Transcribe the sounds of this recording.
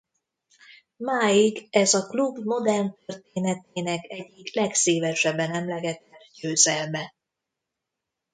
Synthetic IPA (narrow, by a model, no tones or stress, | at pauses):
maːiɡɛzɒklubmo̞d̪ɛrnt̪ørt̪eːnɛt̪eːnɛkɛɟːiklɛkseːvɛʃɛbːɛnɛmlɛɡɛt̪ːɛrɟøːzɛlmɛ